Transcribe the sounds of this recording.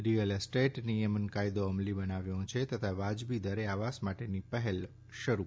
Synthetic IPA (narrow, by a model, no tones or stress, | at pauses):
ɾijəlsʈeʈnijəmənkajd̪oəmlibənaʋjõt͡ʃʰet̪ət̪ʰaʋad͡ʒbid̪əɾeaʋasmaʈenipəɦel | ʃəɾu